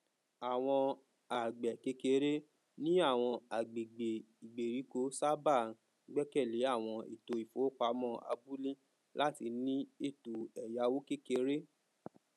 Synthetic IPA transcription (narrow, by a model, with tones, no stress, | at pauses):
a˨w̃ɔ̃˧ | a˨ɡ͡bɛ˨ke˧˦ke˧˦ɾe˦ | nĩ˦a˦˨w̃ɔ̃˧a˨ɡ͡be˨ɡ͡be˨i˨ɡ͡be˨ɾi˨˦ko˧˦sa˦ba˦˨ | ɡ͡bɛ˦kɛ˦˨le˨˦a˦˨w̃ɔ̃˧ḭ˨to˧i˨fo˨˦k͡pa˧˦mɔ̃˦˨a̰˧˦bu˦lĩ˦ | la˦ti˧nĩ˦e˦˨to˨ɛ˨ja˧˦wo˦ke˦ke˧˦ɾe˦